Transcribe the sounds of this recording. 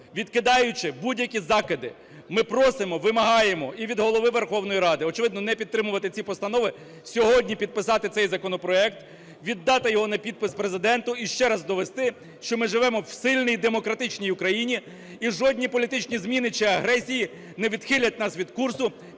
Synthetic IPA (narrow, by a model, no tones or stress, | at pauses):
ʋʲid̪kɪd̪ɑjʊt͡ʃɪbudʲjɐkʲizɑkɪd̪ɪ | mɪpɾɔsɪmɔʋɪmɐɦɑjemɔiʋʲid̪ɦɔlˠɔʋɪʋerxɔʋnɔjiɾɑd̪ɪɔt͡ʃeʋɪd̪nɔnɛpʲid̪t̪ːɾɪmʊʋɐt̪ɪt͡sʲipɔst̪ɐnɔʋɪ | sʲɔɦɔdʲnʲipʲid̪̚pɪsɑt̪ɪt̪sɛjzɐkɔnɔpɾɔɛkt̪ | ʋʲid̪ːɑt̪ɪjɔɦɔnɐpʲid̪̚pɪspɾezɪd̪ɛnt̪ʊiʃt͡ʃɛɾɐzd̪ɔʋest̪ɪ | ʃt͡ʃɔmɪʒɪʋɛmɔwsɪlʲnijd̪emɔkɾɐt̪ɪt͡ʃnʲijʊkɾɐjinʲiː | ʒɔd̪ʲnʲipɔlʲit̪ɪt͡ʃnʲizmʲinɪt͡ʃɪɐɦɾɛsʲiji | nɛʋʲid̪xɪlʲɐt̪ʲnɑsʋʲid̪kursʊ